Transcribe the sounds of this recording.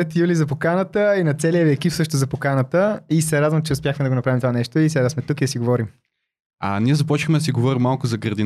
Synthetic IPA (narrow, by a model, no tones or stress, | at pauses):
ɛt̪julizɐpokanət̪əinɐt̪sɛliəviɛkipsɤʃt̪ozɐpokanət̪əisɛɾad̪vəmt͡ʃɛʊspʲjaxmɛd̪ɐɡonɐpɾavimt̪ovanɛʃt̪oisɛd̪asmɛt̪ukid̪ɐsiɡovɔɾim | ɐ̰niɛzɐpɔt͡ʃixmɛd̪ɐsiɡovɔɾimːalˠkʊzɐɡɾəɾd̪i